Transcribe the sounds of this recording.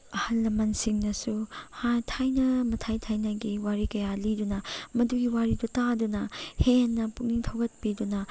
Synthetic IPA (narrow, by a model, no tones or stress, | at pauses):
ɐhɐlːɐmɐnsiŋnɐsuhajtʰajnɐmɐtʰajtʰajnɐɡiwaɾikɐjalidunɐmɐduɡiwaɾidutadunɐhenːɐpuk̚niŋtʰɐwɡɐt̚pidunɐ